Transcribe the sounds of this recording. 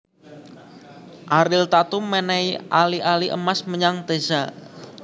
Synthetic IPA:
ʔaɾɪlt̪at̪umːɛnɛjʔaliʔaliʔə̰masməɲaŋt̪esa

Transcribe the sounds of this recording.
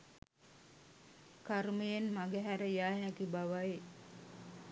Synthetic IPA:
kaɾməjenmaɡəɦæɾəjaːɦækibaʋaj

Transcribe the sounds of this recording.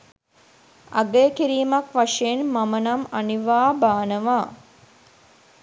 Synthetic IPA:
aɡəjəkiɾiːmakʋaʂejenmamənamaniʋaːbaːnəʋaː

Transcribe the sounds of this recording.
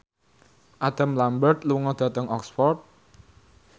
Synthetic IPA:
ʔad̪̥a̤mlambərt̪̚luŋɔd̪̥ä̤t̪əŋɔksfɔrt̪̚

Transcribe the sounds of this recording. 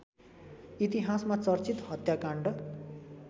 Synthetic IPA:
it̪iɦasmat͡sʌrt͡sit̪hʌt̪jakaɳɖʌ

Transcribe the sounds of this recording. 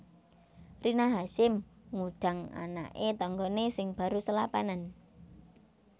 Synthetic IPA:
rʔinaɦaʃɪmŋud̥a̤ŋa̰na̰ʔet̪ɔŋɡɔnesɪŋb̥ä̤ɾusəlapanan

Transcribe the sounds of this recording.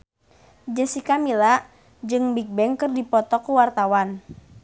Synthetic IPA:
d͡ʒəsikamila | d͡ʒɨŋbik̚bɛŋkɨrdipɔt̪ɔkuwart̪awan

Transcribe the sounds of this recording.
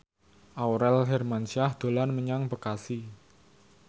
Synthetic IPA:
ʔawɾɛlɦɛrmanʃiahd̪̥o̤lanməɲaŋbəkasi

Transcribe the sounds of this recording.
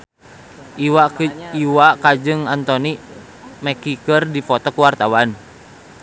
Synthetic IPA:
aiwakad͡ʒɨŋant̪ɔni | mɛkikɨrdifɔt̪ɔkuwart̪awan

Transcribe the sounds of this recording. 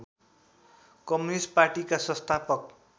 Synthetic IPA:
kʌmunisʈparʈikasʌ̃st̪ʰapʌk

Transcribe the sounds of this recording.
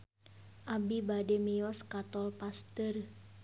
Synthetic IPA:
ʔabibademiɔskat̪ɔlpast̪ər

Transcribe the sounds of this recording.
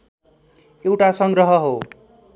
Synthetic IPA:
ewʈasʌŋɡɾʌɦʌɦo

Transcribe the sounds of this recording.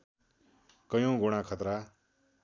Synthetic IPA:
kʌjõɡuɽ̃akʰʌt̪ɾa

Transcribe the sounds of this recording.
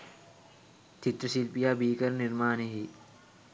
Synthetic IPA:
t͡ʃɪt̪ɾəsilpijaːbiːkɐɾnɪɾmaːneɦi

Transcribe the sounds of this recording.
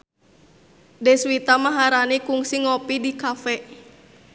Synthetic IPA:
dɛswit̪amaɦaɾanikuŋsiŋɔpidikafɛʔ

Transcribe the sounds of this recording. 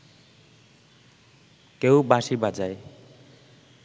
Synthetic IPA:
kewbaʃibad͡ʑaj

